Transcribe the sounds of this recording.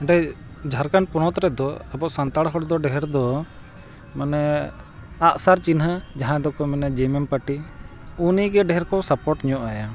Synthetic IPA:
ɛɖaj | d͡ʒʱaɾkanpunɔt̪ɾɛd̪ɔabɔʔsant̪aɽɦɔɽd̪ɔɖɛɦɛɾd̪ɔ | manɛ | aʔsaɾt͡ʃinɦəd͡ʒaɦãd̪ɔkɔmɛnad͡ʒɛmɛmpaʈi | uniɡɛɖɛɦɛɾkɔwsapɔɾʈɲɔʔaja

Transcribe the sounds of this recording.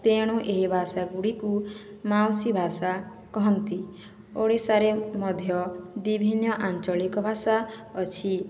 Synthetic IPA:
t̪eɽ̃uʔeɦibʱasaɡuɽiku | mawsibʱasa | kɔɦɔnt̪i | oɽisaɾemɔd̪ʱjɔbibʱinːɔʔant͡ʃɔlikɔbʱasaɔt͡ʃʰi

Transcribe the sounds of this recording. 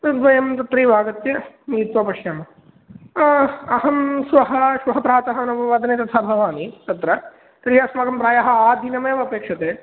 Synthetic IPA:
nud̪ʋɐjɐmt̪ɐt̪ɾiːʋʱaːɡɐt̪jɐmiːt̪ʋɐpɐʃjamɐ | ɐɦɐmsʋɐɦɐʃʋɐɦɐpɾaːt̪ɐɦɐnɐʋɐʋaːd̪ʱɐneːt̪ɐt̪ʰaːbʱɐʋaːnit̪ɐt̪ɾɐ | t̪ɾiɦaːsmɐɡɐmpɾaːjɐɦɐ̆aːd̪ʱinɐmeːʋɐpeːkʂɐt̪eː

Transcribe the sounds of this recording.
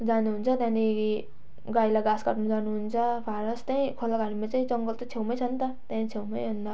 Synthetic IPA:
d͡zanuɦunt͡sʰʌt̪jãni | ɡajlaɡaskʌʈnud͡zanuɦunt͡sʰʌpʰaɾʌst̪aĩkʰolʌɡaɽimat͡saĩt͡sʌŋɡʌlt̪ʌt͡sʰewmʌjt͡sʰʌnt̪ʌt̪jãnĩt͡sʰewmʌjɦund̪ʌ

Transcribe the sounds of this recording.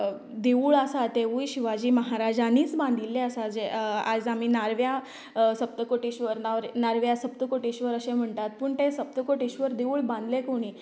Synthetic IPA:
d̪euːɭəsat̪eʋujɕiʋad͡ʑiːməɦaɾad͡ʑaniːt͡sbãnd̪ʱilːeəsad͡zead͡zamiːnaɾʋja | səpt̪əkoʈiɕʋəɾnaɾnaɾʋjasəp̚t̪əkoʈiɕʋəɾəɕẽm̤əɳt̪at̪̚pəɳt̪ẽsəp̚t̪əkoʈiɕʋəɾd̪eʋuːɭbãnd̪lekoɽ̃iː

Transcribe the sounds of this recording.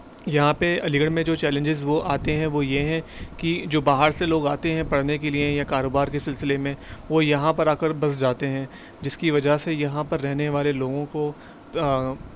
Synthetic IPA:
jɐɦãpeɐlɪɡəɽmẽd͡ʒoːt͡ʃɛːlɪ̃ɲd͡ʒɪzʋoʔaːt̪eɦɛ̃ʋojeɦɛ̃kid͡ʒoːbaːɦəɾseloːɡaːt̪eɦɛ̃pɐɽnekeliejakaːɾoːbaːɾkesɪlsɪlemẽʋojɐɦãpɐɾaːkəɾbɐs̬d͡ʒaːt̪eɦɛ̃ | d͡ʒɪskiʋɐd͡ʒasejɐɦãpɐɾːɛɦneʋaːleloːɡõko

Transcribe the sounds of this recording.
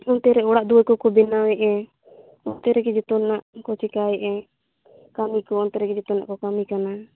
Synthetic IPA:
ɔnt̪ɛɾɛɔɽaʔd̪uəkɔkɔbɛnawɛʔɛ̃ | ɔnt̪ɛɾɛɡɛd͡ʒɛt̪ɔnaʔkɔt͡ʃikaɛʔɛ | kamikɔɔnt̪ɛɾɛɡɛd͡ʒɛt̪ɔna̰ʔkɔkamikana

